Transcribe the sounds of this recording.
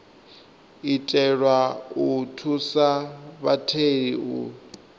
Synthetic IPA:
itʼɛɺwautʰusaβatʰeɺiṵ

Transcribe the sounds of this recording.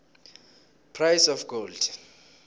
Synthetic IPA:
pʰrajsɔfɡ̥old̥

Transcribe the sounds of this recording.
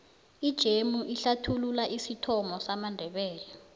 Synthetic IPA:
id̥ʒ̥ʱemuʔiɬatʰululaʔisitʰɔmɔsamandʱɛɓɛːlɛ

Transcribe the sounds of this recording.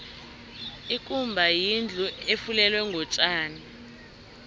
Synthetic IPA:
ikʼumbʱajind͡ɮʱuefulɛlwɛŋɡʱɔt͡ʃʼaːni

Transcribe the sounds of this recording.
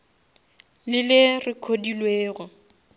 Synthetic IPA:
lɪlɪrɪkʰodilweːɣʊ

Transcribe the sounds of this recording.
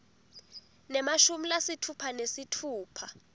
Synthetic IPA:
nɛmaʃumilasitʰupʰanesitʰuːpʰa

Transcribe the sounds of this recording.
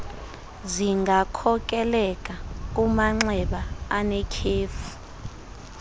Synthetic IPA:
ziŋɡʱakʰɔk̬ʼɛlɛkʼak̬ʼumaŋ͡ǁɛɓaanɛkʰeːfu̥

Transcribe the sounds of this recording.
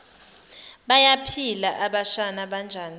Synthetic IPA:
ɓajapʰilaʔaɓaʃanaɓand͡ʒʱaːni

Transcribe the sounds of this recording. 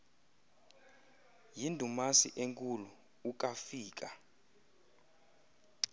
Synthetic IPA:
jindʱumasḭʔeŋkʼuluː | k̬ʼafiːk̬ʼa

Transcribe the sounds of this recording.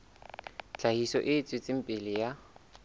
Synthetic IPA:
t͡ɬʰʼahisɔ̰ʔɪːt͡sʼwɪt͡sʼɪm̩pʼɪlɪja

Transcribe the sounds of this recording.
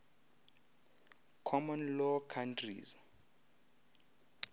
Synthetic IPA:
kʰɔmɔnlɔkʰantʰrḭz

